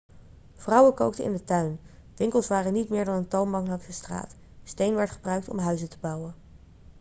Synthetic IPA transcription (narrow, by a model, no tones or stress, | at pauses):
v̥rʌwəkowktəɪ̰ndətœɥn | ʋɪŋkəlˠsʋaːrənitmɪːɹdɑnəntɑlˠmɑŋlɑksəstra̰ːt | stejnʋɛɹtχə̥brœɥk̚tɔ̰mɦœɥzətəbɑwən